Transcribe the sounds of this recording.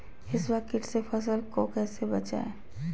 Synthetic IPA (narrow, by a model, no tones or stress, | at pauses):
ɪswaːkɪʈsefʰɐs̬əlkokɛːsebɐt͡ʃa̰ːe